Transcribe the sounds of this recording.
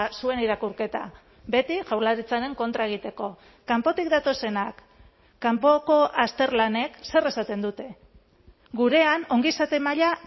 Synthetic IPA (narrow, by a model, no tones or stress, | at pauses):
sue̞niɾakuɾke̞t̪a̰ | be̞t̪iʝawlaɾit͡saɾe̞ŋko̞nt̪ɾae̞ɣ̞it̪e̞ko̞ | kampo̞t̪ik̚d̪at̪o̞se̞nakː | ampo̞ko̞ʔast̪e̞ɾlane̞kse̞re̞sat̪e̞nd̪ut̪e̞ | ɡuɾe̞ano̞ŋɡisat̪e̞maʎa